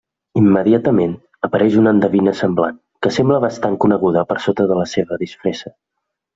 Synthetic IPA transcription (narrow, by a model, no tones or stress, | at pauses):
imːəðiat̪əmen | əpəɾɛʃunənd̪əβinəsəmbla̰ŋ | kəsɛmbləβəst̪aŋkunəɣuðəpəɾsot̪əðələseβəðisfɾesə